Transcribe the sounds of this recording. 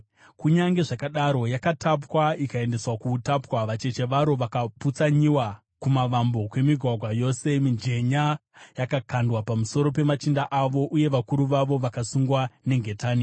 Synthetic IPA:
kuɲaŋɡe̞ʐakaɗaɾo̞jakatap̬waikae̞nde̞swakuːtapwaʋat͡ʃe̞t͡ʃe̞ʋaɾo̞ʋakaput͡saɲiwa | kumaʋambo̞kwe̞miɡʱwaɡʱwajo̞se̞mind͡ʒe̞ɲajakakandwapamuso̞ɾo̞pe̞mat͡ʃindaʔaʋo̞ʔuje̞ʋakuɾuʋaʋo̞ʋakasuŋɡwane̞ŋɡʱe̞taːni

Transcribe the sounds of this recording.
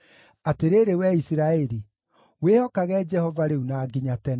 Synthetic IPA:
ateɾeɾewɛisiɾaɛɾi | wehɔkaɣɛd͡ʒɛhɔvaɾeunaːɡiɲatɛn

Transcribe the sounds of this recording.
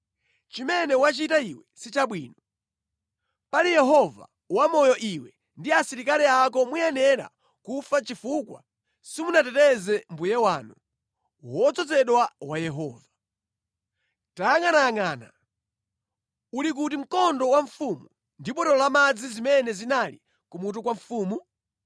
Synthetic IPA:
t͡ʃimɛnɛwat͡ʃitaiwɛsit͡ʃaɓwiːnɔ | palijɛɦɔva̰ | wamɔjɔʔiwɛ | ndiasiɾikaliak̬ɔmujɛnɛɾa̰ | kufat͡ʃifukwa̰ | simunatɛtɛzɛmbujɛwaːnu | wɔt͡sɔt͡sɛɗwawajɛɦɔːva | taŋanaaŋaːna | ulik̬utim̩kɔndɔwaɱfumu | ndipɔtɔlɔlamad͡zizimɛnɛzinalḭ | kumut̬ukwaɱfuːmu

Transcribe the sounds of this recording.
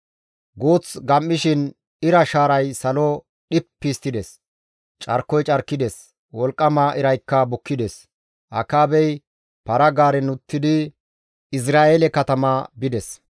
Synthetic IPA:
ɡoːt͡sɡɐmːɪʃɪn | ɪɾɐʃaːɾɐjsɐlɔ | ɗɪpːist̪ːɪd̪ɛs | t͡ʃʼɐ̰ɾkːɔjt͡ʃʼɐɾkːɪd̪ɛs | wɔlkʼːɐmaːʔɪɾɐjkːɐbʊkːɪd̪ɛs | ʔɐ̰kːaːbɛj | pɐɾɐɡaːɾɛnʊt̪ːɪd̪ɪ | ɪs̬ɾaːelɛkɐt̪ɐmabɪd̪ɛs

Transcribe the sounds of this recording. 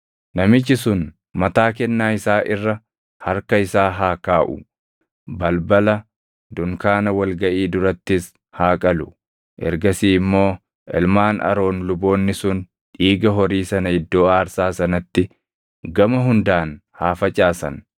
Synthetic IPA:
nɐmɪt͡ʃːɪsʊn | mɐt̪aːk̬ɛnːaːɪsaːʔɪrːɐ | hɐɾkɐɪsaːɦaːkaːʔʊ̰ | bɐlbɐlɐ | d̪ʊŋkaːnɐwɐlɡɐʔiːd̪ʊɾɐt̪ːɪs | haːkʼɐlʊ | ʔɛ̰ɾɡɐsiːmːo̞ː | ʔɛ̰lmaːnʔɐ̰ɾo̞ːnlʊbo̞ːnːɪsʊn | ᶑiːɡɐɦɔɾiːsɐnɐɪd̪ːo̞ːaːɾsaːsɐnɐt̪ːɪ | ɡɐmɐɦʊnd̪aːnhaːfɐt͡ʃʼaːsɐ̰n

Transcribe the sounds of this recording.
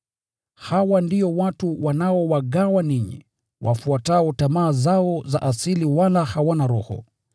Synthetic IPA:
hawandiɔwatuwanaɔwaɠawaniɲḭ | wʔa̰fuatautamaːzaɔza̰ʔasiliwalahawanaɾɔhɔ̰

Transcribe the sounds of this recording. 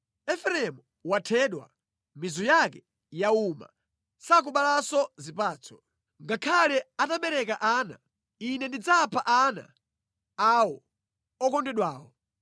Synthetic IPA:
ɛfɛɾɛmu | watʰɛːɗwa̰ | mizɔjakɛ | jauma̰ | sak̬uɓalasɔzipaːt͡sʰɔ̥ | ŋɡakʰalɛataɓɛɾɛkaʔana̰ | inɛndid͡zapʰaʔana̰ | awɔ | ɔkɔndɛɗwaːwɔ

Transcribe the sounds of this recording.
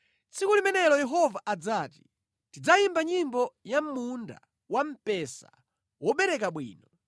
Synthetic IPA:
t͡sʰikulimɛnɛlɔjɛɦɔvaʔad͡zaːti̥ | tid͡zajimbaɲimbɔjam̩ːunda̰ | wam̩pɛsa̰ | wɔɓɛɾɛkaɓwḭːnɔ

